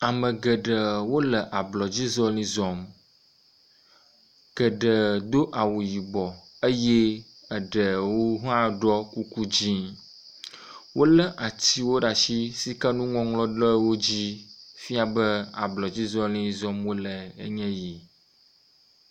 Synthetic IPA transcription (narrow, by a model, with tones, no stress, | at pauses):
a˨mə̃˨ɡə˨ɖə˨wo˦lə˨ʔa˨blɔ˨d͡ʑi˦zɔ˦lĩ˦zɔ˨m | ɡ̥ə˨ɖə˨d̪o˦ʔa˨wu˨ji˨bɔ˨ | ə˦jɛ˦ | ə˨ɖə˨wo˦ɦã˦ɖɔ˦ku˦ku˦d͡ʑĩ˦ | wo˦lə˦ʔa˨t͡ɕi˦wo˦ɖa˨ʃi˦si˦ka˦nũ˦ŋɔ̃˦ŋlɔ̃˦ɖɔ˦wo˦d͡ʑi˦fi˦a˨bə˦a̰˨blɔ˨d͡ʑi˦zɔ˦lĩ˦zɔ˦mwo˦lə˨ə̰˦ɲɛ̃˦ji˨